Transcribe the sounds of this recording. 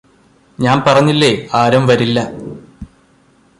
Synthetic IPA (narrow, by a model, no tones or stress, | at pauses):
ɲaːnpɐrɐɲːilːe̞aːɾɐmʋɐɾilːɐ